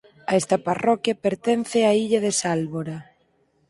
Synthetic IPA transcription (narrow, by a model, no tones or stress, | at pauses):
aɛst̪ɐparɔkjɐpeɾt̪ɛn̟θɪaiʎɐðesalβoɾa